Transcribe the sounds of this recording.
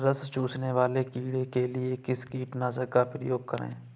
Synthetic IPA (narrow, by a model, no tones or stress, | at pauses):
ɾəst͡ʃuːt͡ʃneʋaːlekiːɽekeliekɪskiːʈnazəkapɾɪ̰joːɡ̚kəɾḛ̃ː